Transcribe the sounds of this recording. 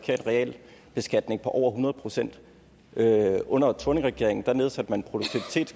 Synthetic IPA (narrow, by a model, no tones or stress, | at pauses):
kʰe̝̰ɐnʁɛɛ̰l | b̥e̝sɡ̥æd̥ne̝ŋpʰɒ̽ʔɒʊ̰ɐɦunɐð̞ˠpʰʁo̝sen̰d̥ | øʔɔ̽n̰ɐt͡sʰone̝ŋʁɛɡ̥e̝ɐ̰e̝ŋn̩d̥æne̝ð̞ˠsæd̥əmænenpʰʁo̝douɡ̥̚t͡sʰiʋit͡sʰe̝̰ːd̥